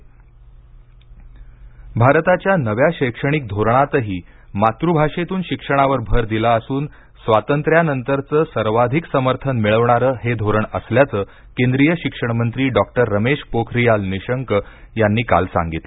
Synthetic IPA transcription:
bʱaɾt̪at͡ɕjanəʋjaɕəjkʂəɽ̃ik̚d̪ʱoɾɳ̃at̪əɦiː | mat̪ɾubʱaʂet̪uːnɕikʂəɽ̃aʋəɾbʱəɾd̪ilaəsuːn | sʋat̪ənt̪ɾjanənt̪əɾt͡səːsəɾʋad̪ʱiksəməɾt̪ʰənmiɭəʋɳ̃aɾəːɦed̪ʱoɾəɳəsljat͡səː | kend̪ɾijəɕikʂəɳ̃mənt̪ɾiːɖɔk̚ʈəɾːəmeʂpokʰɾijalniɕəŋk | janːiːka̰lsã̰ŋɡit̪le

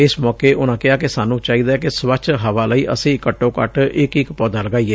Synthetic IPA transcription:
ɪsmɔːkeːʔʊnãːkɪaːkɪsaːnũːt͡ʃaːiːd̪aːkɪsʋət͡ʃɦəʋaːləiːʔə̰sĩːkəʈːõːkə̰ʈɪkɪkpɔːd̪aːləɡaːiːeː

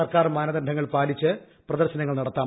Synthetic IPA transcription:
ɐrkaːrmaːnɐd̪ɐnɖʱɐŋːɐɭpaːlit͡ɕːɨ | prɐðɐrɕɐnɐŋːɐɭnɐɽɐt̪ːaː

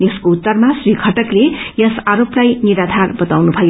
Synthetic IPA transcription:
jʌskout̪ːʌrmasrikʰʌʈʌklejʌsaɾoplajniɾad̪ʱarbʌt̪awnubʱʌjo

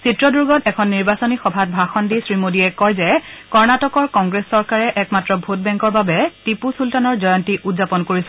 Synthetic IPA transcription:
sitɹɔduɹɡɔtɛkʰɔnːiɹbasonixɔbʱat̚bʱaxɔndisɹimodiɛkɔɹzɛkɔɹnatɔkɔɹkɔŋɡɹesːɔɹkaɹɛʔɛkmatɹɔbʱot̚bɛŋkɔɹbabɛtipusultanɔɹzɔjɔntiʔutzapɔnkoɹisɛ

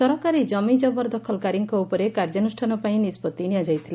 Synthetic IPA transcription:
sɔɾɔkaɾid͡ʒɔmid͡ʒɔbɔɾd̪ɔkʰɔlkaɾiŋkɔupɔɾekaɾd͡ʒanusʈʰanɔpaĩnispɔt̪iniad͡ʒajt̪ʰile

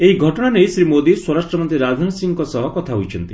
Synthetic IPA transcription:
eɦiɡʱɔʈɔɽ̃aneisɾimod̪iswɔɾasʈɾɔmɔnt̪ɾiɾad͡ʒʱanɔsiŋkɔsɔɦɔkɔt̪ʰaɦujt͡ʃʰɔnt̪i

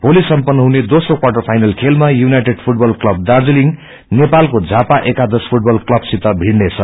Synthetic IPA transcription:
polisʌmpʌnːʌɦuned̪osrokwaʈʌrpʰajnʌlkʰelmajunajʈeɖpʰuʈ̚bʌlklʌb̚d̪ard͡ziliŋ | nepalkod͡zʱapaʔekad̪ʌspʰuʈ̚bʌlklʌbsit̪ʌbʱiɽnet͡sʰʌ

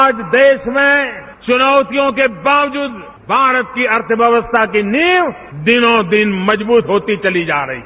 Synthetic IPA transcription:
aːd͡ʒd̪eːʃmẽ | t͡ʃʊnaːʊt̪ijõkebaːʋd͡ʒuːd̪ | bʱaːɾət̪̚kiɐɾt̪ʰəbjəʋəst̪ʰakiniːʋ | d̪ɪnõd̪ɪnmɐd͡ʒbuːt̪ɦoːt̪it͡ʃɐlid͡ʒaːɾɐ̰ɦḭ

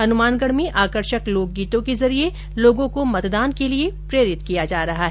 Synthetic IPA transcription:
ɐnʊmaːnɡəɽmẽʔaːkəɾʃəkloːk̚ɡiːt̪õkezɐɾie | loːɡõkomɐt̪d̪aːnkeliepɾeːɾɪt̪kijad͡ʒaːɾɐɦaɦɛː

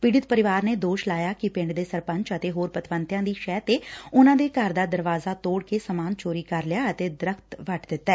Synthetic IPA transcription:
piːɽɪt̪pəɾɪʋaːɾneːd̪oːʃlaːjaːkɪpɪ̃ɳɖd̪eːsəɾpə̃ɲt͡ʃət̪eːɦoːɾpət̪ʋənt̪jãːd̪iːʃɛːt̪eːʊnãːd̪eːkəɾd̪aːd̪əɾʋaːzaːt̪oːɽkeːsəmaːnt͡ʃoːɾiːkəɾlɪjaːət̪eːd̪ɪɾəkʰt̪ʋəʈd̪ɪt̪ːɛː

